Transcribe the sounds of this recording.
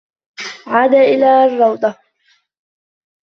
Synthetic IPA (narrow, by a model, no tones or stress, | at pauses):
ʕaːd̪aʔɪlaːrˤːɑwd̪ˤɑ